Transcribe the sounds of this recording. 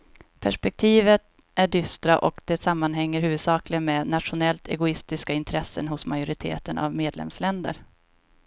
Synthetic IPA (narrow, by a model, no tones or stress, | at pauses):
pʰæʂpɛk̚t̪ʰiːvət̪ | æɖʏst̪ɾaʔɔkd̪̥ɛsamːanɦɛŋːəɾɦʉ̟ːvɵd̪sɑːklɪənmɛnat̪ʂʊnɛlt̪ʰɛ̰ɡʊɪst̪ɪskaɪnt̪ʰɾɛsːənɦʊsmajʊɾɪt̪ʰḛːt̪ənʔa̰vmeːd̪lɛ̰mslɛnd̪ə̰ɾ